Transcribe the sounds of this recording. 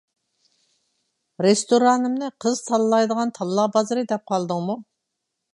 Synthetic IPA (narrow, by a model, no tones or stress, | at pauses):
ɾest̪oɾɑnɨmnɨqʰəzt̪ʰɑlˠlˠɑjd̪əʁɑnt̪ʰɑlˠːɑbɑzɨɾɨd̪ɛp̚qʰɑlˠd̪ɨŋmu